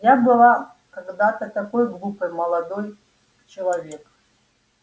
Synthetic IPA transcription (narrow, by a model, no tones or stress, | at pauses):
jabɨlˠa | kaɡd̪at̪ɐt̪akɔjɡlˠupɨjmɐlˠad̪ɔj | t͡ʃɪlˠɐvʲek